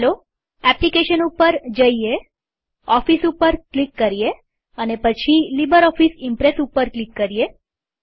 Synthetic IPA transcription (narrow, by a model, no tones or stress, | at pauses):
lo | ɛplikeʃənupəɾd͡ʒəie | ɔfisupəɾklikːəɾije | ənepət͡ʃʰilibəɾɔfisimpɾesupəɾklikːəɾie